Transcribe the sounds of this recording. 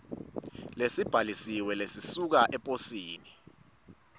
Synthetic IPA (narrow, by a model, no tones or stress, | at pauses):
lesib̥ʱalisiwɛlesisuk̬aʔɛpʼosiːni